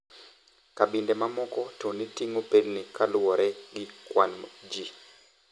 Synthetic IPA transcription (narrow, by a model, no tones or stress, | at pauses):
kaɓindɛmamɔkɔtonitiŋopelnikʰalwɔɾɛɡɪkwanmd͡ʒi